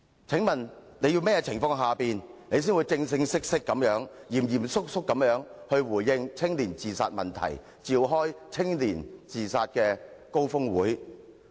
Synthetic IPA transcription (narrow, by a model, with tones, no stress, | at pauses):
t͡sʰɪ˨˥ŋmɐ˨˩nne˨˧jiː˧wmɛː˥jɛ˧t͡sʰɪ˨˩ŋfɔː˧ŋɦaː˨piː˨nne˨˧jsiː˥nwuː˨˧jt͡sɪ˧ŋsɪ˧˥ŋsɪ˥k̚sɪ˥kːɐ˨˧˥mjœː˨˥ŋjiː˨˩mjiː˨˩msʊ˥k̚sʊ˥kːɐ˨˧˥mjœː˨˥ŋhɵ˧ɥwuː˨˩jjɪ˧ŋt͡sʰɪ˥ŋliː˨˩nt͡siː˨˩sa̰ː˧t̚mɐ˨nt̪ʰɐ̰˨˩j | t͡siː˧wɦɔː˥jt͡sʰɪ˥ŋliː˨˩nt͡siː˨saː˧t̚kɛː˧ko˥wfʊ˥ŋwuː˨˥j